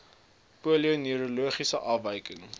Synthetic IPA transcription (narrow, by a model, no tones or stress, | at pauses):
puəlionyəɾuluəχisəʔɐfvəjkəŋ